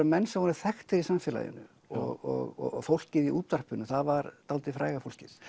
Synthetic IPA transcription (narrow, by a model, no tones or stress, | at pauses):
ʏmɛnːsɛhɔnɪɾθɛxt̪ɪɾisamfɛːla̰jðɪ̰nʏ̰ | ɔɣɔ̰ɣɔ̰fowl̥cɪðiʔṵːt̪ar̥pʏnːʏθaðvaɾt̪alt̪ɪfɾaːjɣafowl̥cɪð